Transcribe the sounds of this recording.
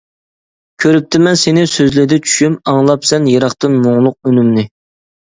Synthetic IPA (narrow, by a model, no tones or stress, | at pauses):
kʲʰøɾyp̚t̪ʰɪmɛnsenɪsøzlɪd̪ɛt͡ʃʰy̥ʃymɑŋlˠɑpsɛnjeɾɑχt̪ɨnmoŋlˠʊq̚ønymnɪ